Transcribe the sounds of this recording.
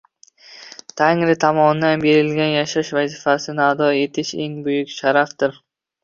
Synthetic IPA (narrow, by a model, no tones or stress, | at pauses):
t̪ʰaŋɾɪt̪ʰamɒnd̪anbe̞ɾɪlɡʲanjaʃaɪʃvazɪfasɪnɪad̪ɒe̞t̪ʰɪʃe̞̰ŋbʊjʊkʲʃaɾafd̪ɪɾ